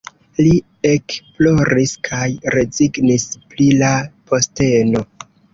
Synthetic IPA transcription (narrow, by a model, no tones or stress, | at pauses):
li | e̞kplo̞ɾiskʰajɾe̞ziɡnisplilapʰo̞ste̞no̞